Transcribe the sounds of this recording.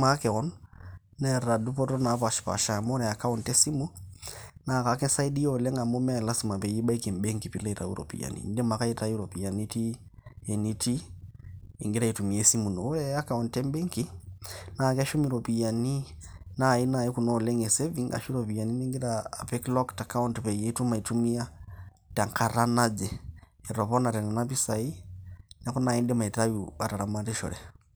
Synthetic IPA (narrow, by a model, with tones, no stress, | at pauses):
ma˦kɛ˨ɔ˦n | nɛ˦˨ra˨du˦pɔ˦tɔ˦na˨˦pa˨ʃpa̰˨ʃa˨mɔ˦ɾɛ˨a˨ka˦ɔ˨ntɛ˦si˦mu˦ | na˨ka˨kɛ˦sa˦i˦di˦ɔ˨lɛ˦ŋa˨mo˦mɛ˦a˦ɛ˨la˦si˨ma˨pɛ˨ji˦ba˦i˦ke˨mbe˦ŋki˨pi˨la˦i˨ta̰˨ṵ˦ɾɔ̰˨pḭ˨ja̰˨nḭ˨ndɛ˦ma˨ka˦i˦ta˨˦ji˦ɾɔ˨pi˨a˨ni˦ti˦ | e˨ni˦ti˦ | ḛ˨ŋɡe˦ɾa˦i˨tu˨mi˨ɛ˦si˦mu˨nɔ˨˦ɾɛ˦ja˦ka˨ɔ˨ntɛ˦m˦bɛ˦ŋki˦na˨kɛ˦ʃu˦mi˨ɾɔpi˨ja˨ni˦ | nai˦na˨iku˨nɔ˦˨lɛ˦ŋɡɛ˨sɛviŋa̰˨ʃu˦ɾɔpi˨ja˨ni˦ni˦ŋɡi˦ɾaː˨pɛ˦klɔ˦kta˨ka˦u˦ntpɛje˦tu˦ma˨i˨tu˦mi˦a˦ | ta˨ŋkʰa˨ɾa˦na˦d͡ʒɛɛɾɔβɔ˦na˨ɾɛ˨na˨na˦pi˦sa˨i˦na˦ku˦na˨i˦ndɛ˦ma˨i˨ta˦juβa˨ta˨ɾa˦ma˦tɛ˦ʃɔ̰˨ɾɛ˨